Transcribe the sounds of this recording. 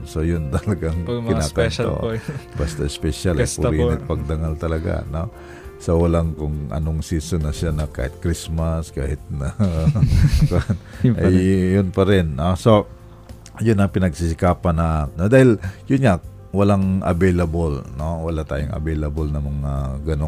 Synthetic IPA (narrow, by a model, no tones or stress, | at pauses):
sojʊnt̪ɐlɐɡaŋɪnakɐno̰bast̪aɪspɛʃalʔɐjpʊɾinɪt̪̚pɐɡ̚d̪ɐŋalt̪ɐlɐɡa̰no | sowɐlaŋkʊŋʔɐ̰noŋsiːsonɐʃanɐka̰ːhɪt̪̚kɾismɐskaːhɪt̪̚nɐ | kanʔɐjjʊnpɐɾɪnːoso | jʊnɐŋpɪnɐɡsɪsɪkaːpɐnɐʔanod̪aːhɪljʊnŋa | wɐlaŋʔɐ̰bɛjlɐbolnowɐlat̪aːjʊŋɐ̰bɛjlɐbolnɐmɐŋaɡɐno